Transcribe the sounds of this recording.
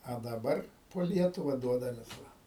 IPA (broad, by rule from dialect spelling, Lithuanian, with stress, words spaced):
ɐ dɐˈbɐr poː ˈlʲiɛtʊʋɐ ˈduɔdɐmʲeːs ˈʋɐ